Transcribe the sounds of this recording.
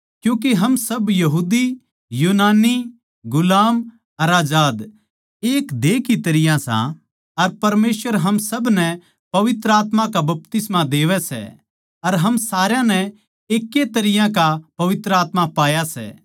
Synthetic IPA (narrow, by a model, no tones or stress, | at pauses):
kjũːk̬eɦɐmsɐbjɐɦuːd̪i | juːnaːni | ɡʊlaːm | ɐɾaːd͡ʒaːd̪ | eːkd̪eːkit̪ɐɾɪjãsã̰ | ɐɾpɐɾmeːsʋəɾɦɐmsɐbnɛ | pɐʋɪt̪ɾəaːt̪mãkabɐp̚t̪ɪsmãd̪eːʋɛsɛ̰ | ɐɾɦɐmsaːɾjãnɛ | eːkːet̪ɐɾɪjãk̬apɐʋɪt̪ɾəaːt̪mapaːjasɛ̰ː